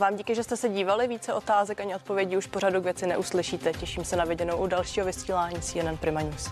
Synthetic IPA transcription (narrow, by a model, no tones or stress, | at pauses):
vaːmɟiːkɪʒɛst̪ɛsɛɟiːvalɪviːt͡sɛʔo̞t̪aːzɛkaɲɪʔot̪̚po̞vjɛɟiːuʃpoɾadukvjɛt͡sɪnɛʔuslɪʃiːt̪ɛcɛʃiːmsɛnavɪɟɛnowʔudalʃiːɦovɪsiːlaːɲiːsiːɛnɛnpɾɪmaɲuːs